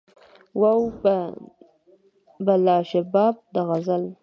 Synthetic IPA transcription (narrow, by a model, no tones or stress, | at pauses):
waw | balɑʃabɑb̚d̪əɣazal